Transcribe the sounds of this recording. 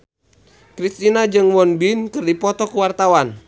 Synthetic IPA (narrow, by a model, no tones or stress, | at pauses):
kɾist̪inad͡ʒɨŋwɔnbinkɨrdipɔt̪ɔkuwart̪awan